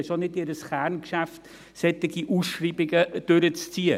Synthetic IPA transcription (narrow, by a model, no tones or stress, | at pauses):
ɛʃonɪtɪɾəsχæɾnkʃæft | sɛtɪɡiʔuːsʃriːbɪɡəd̥øɾət͡st͡siːə